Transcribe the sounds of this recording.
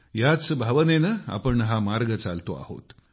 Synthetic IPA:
jat͡sbʱaʋənenəa̰pəɳɦamaɾɡət͡salt̪oa̰ho̰t̪

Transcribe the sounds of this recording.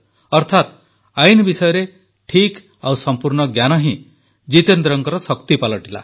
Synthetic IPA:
ɔɾt̪ʰat̪ | ajnbisɔjɔɾe | ʈʰik | awsɔmpuɾɳɔɡjanɔɦĩ | d͡ʒit̪end̪ɾɔŋkɔɾɔsɔkt̪ipalɔʈila̰

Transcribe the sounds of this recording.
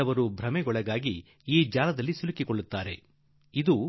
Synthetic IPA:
ɐʋɐɾubʱɾɐmɛɡɔɭɐɡaːɡi | iːd͡ʒaːlɐd̪ɐlːisulikikoɭːut̪ːaːɾe̞ | id̪u

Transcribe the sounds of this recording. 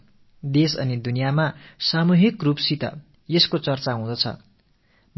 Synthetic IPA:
d̪esʌ̰nid̪unijamasamuɦikrupsit̪ʌ̰ | jeskot͡sʌrt͡saɦũd̪ʌt͡sʰʌ̰ | m

